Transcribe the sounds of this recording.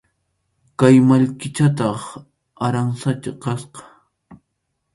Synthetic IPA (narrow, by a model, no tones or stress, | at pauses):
kajmaʎkɪt͡ʃat̪ɑχ | aɾaŋsat͡ʃaqɑsqɑ̥